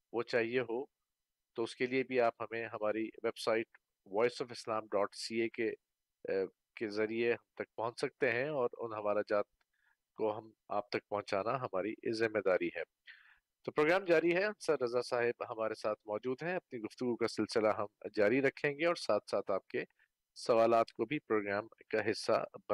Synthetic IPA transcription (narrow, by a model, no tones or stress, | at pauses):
ʋot͡ʃaːɦieɦoː | t̪oʊskeliebʱiaːpɦɐmẽɦɐmaːɾiʋebsaːɪʈ | ʋɔːɪsɔːfɪslaːmɖɔːʈsiːeke | kezɐɾieɦɐmt̪ɐk̚pɔɦʊ̃t͡ʃsɐk̚t̪eɦɛ̃ɔːɾʊ̰nɦɐmaːɾad͡ʒaːt̪̚ | koɦɐm | a̰ːp̚t̪ɐk̚pɐɦʊ̃t͡ʃaːnaɦɐmaːɾḭzɪmːed̪aːɾiɦɛ̰ː | t̪oːpɾoːɡɾaːmd͡ʒaːɾiɦɛɐ̃nsɐɾɾɐzasaːɦɪbɦɐmaːɾesaːt̪ʰmɔːd͡ʒuːd̪ɦɛ̃ɐp̚niɡʊft̪ʊɡukasɪlsɪlaɦɐmd͡ʒaːɾiɾɐkʰːẽːŋɡeɔːɾsaːt̪ʰsaːt̪ʰaːp̚ke | sɐʋaːlaːt̪kobʱipɾoːɡɾaːmkaɦɪsːa̰bɐ